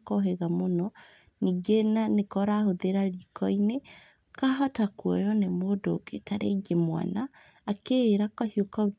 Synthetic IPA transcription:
kɔɦeɣamonɔ | niːɡenanekɔɾahoðeɾaɾikʰɔine | kaɦɔtakwɔ̰jɔnemodo̰ɡetaɾeɡemwa̰naː | keːɾakahiokao

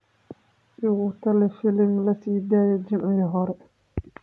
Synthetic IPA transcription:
ɪɣʊt̪ʰɐlɛfɪlɪmlɐsiːd̪aːjɛd͡ʒɪmʕɪɦɔɾɛ

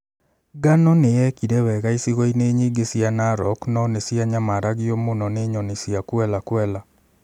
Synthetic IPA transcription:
ɡanɔnejɛkiɾɛwɛɣaisiɣɔineɲeɡesianaɾɔknɔnesiaɲamaɾaɣiomonɔneɲɔnesiakwɛlakwɛla

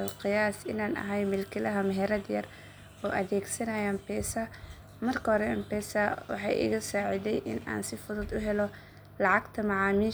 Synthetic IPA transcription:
lqɪjaːsɪnaːnʔɐ̰ɦɐjmɪlkʰɪlɐɦɐmɐɦɛɾɐd̪jɐ̰r | ɔːʔɐðɛːɡsɐnɐjaːmpɛːsɐ | mɐrkʰɐhɔɾɛɛmpɛːsɐwɑ̰ħɑ̰ːjʔɪ̰ɣɐsaːʕɪd̪ɛjʔɪ̰nʔa̰ːnsɪfʊðʊd̪ʊɦɛlɔ | lɑʕɑɡt̪ʰɐmɑʕɑːmiː

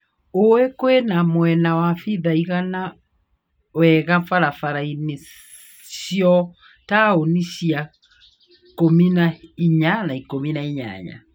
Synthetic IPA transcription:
owekwenamwɛnawafiðaiɣana | wɛɣaɱfaɾafaɾaine | ɕjɔ | taoniʃja | kominaiɲanaikominaiɲa̰ɲa̰

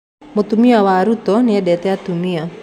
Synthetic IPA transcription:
mɔt̪umiawaɾut̪ɔniadɛt̪ɛat̪umia

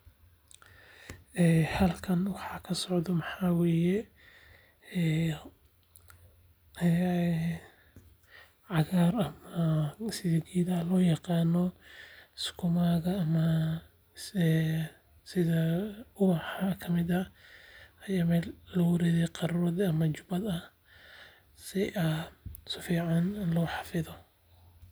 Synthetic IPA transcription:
ɛhɐlkʰɐnwɑħɑːkʰɐsɔʕðɔmɑħɑːwɛːjɛ | ʕɑɣaːrɐmɐsɪɛɡiːðɐlɔːjɑqɑːnɔɪskʰʊmaɣɐːmɐ | sɪðɐʊwħɑkʰɐmɪd̪ɐ | ɐjaːmɛːlːɐwɐɾɛðɛqɑɾɾɔðɐmɐt͡ʃʊbɐd̪ɐ | sɪʔɐsʊfiːʕɑnɪnlɔːħɑ̥fɪðɔ

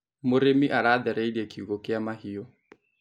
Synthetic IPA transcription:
mʊɾemiʔaɾadɛɾɛidiɛkʰiɣɔkɪamahiɔ

